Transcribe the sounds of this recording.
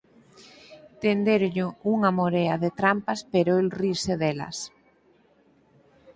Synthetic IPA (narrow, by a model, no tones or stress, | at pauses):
t̪end̪eɾʎʊuŋɐmoɾeɐðet̪ɾampaspeɾoelriɾseðelɐ̰s